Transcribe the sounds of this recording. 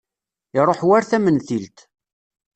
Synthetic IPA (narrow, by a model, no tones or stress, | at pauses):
iɾˤoħwaɾθæmənθilt̪